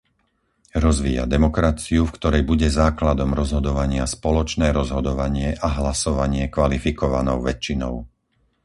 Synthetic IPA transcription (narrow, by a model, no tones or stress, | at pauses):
ɾɔzʋiːa̰d̪ɛmɔkɾat͡siufkt̪ɔɾɛjbuɟɛzaːklad̪ɔmɾɔzɦɔd̪ɔʋaɲɪaspɔlɔt͡ʃnɛːɾɔzɦɔd̪ɔʋaɲɪɛʔaɦlasɔʋaɲɪɛkʋalifikɔʋa̰nɔʊʋɛt͡ʃːinɔ̰ʊ